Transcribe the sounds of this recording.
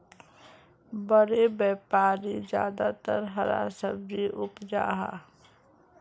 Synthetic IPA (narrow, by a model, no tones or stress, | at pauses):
bəɾebɛːpaːɾid͡ʒja̰ːd̪at̪ə̰ɾɦəɾa̰səb̚d͡ʒiʔʊpd͡ʒa̰ːɦa̰